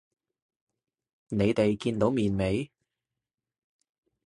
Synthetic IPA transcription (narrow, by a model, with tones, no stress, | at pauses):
ne˨˧jt̪e˨jkiː˧nt̪o˨˥wmiː˨nme˨˥j